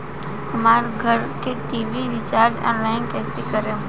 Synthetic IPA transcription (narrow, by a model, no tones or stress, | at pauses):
hɐmaːɾɡʱɐɾkeʈiːʋiɾɪt͡ʃaːɾd͡ʒɔ̰ːnlaːɪnkɛːsekɐɾẽ